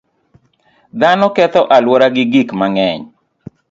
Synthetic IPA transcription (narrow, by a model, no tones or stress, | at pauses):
d̪anɔkɛt̪ɔʔalwɔɾaɡɪɡikmaŋɛɲ